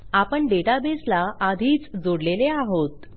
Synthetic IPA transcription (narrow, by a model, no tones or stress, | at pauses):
apəɳɖeʈabeslaʔad̪ʱiːt͡sd͡zoɽleleaɦot̪